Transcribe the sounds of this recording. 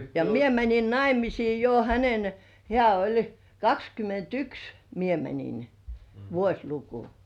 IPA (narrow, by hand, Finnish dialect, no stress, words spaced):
jɑ mie mænʲin nɑimisiː jo hænen hĕæˑ olʲ kɑkskymːentyks mie mænʲin ʋuosʲluku